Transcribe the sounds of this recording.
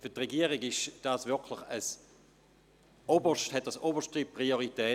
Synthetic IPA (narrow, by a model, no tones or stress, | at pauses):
fyɐtʁeɡiəʁiɡɪʃd̥asvʏɐkʰlɪχəs | ʔobəʃthɛt̚d̥asobəʃtipʁioʁitɛː